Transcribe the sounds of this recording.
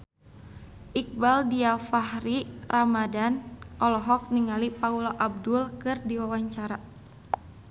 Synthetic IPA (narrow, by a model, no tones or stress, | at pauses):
ʔik̚baldiafahɾiramadanʔɔlɔɦɔk̚niŋalipaulaʔab̚dulkɨrdiwawaɲt͡ʃaɾa